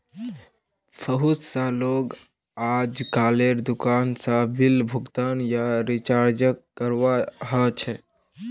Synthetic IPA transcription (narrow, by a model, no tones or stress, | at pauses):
pʰəɦussə̃loɡ | ad͡ʒkaːleɾd̪ʊkansəbilbʱʊɡt̪anjaɾit͡ʃaɾd͡ʒəkːəɾʋaɦət͡ʃʰɛ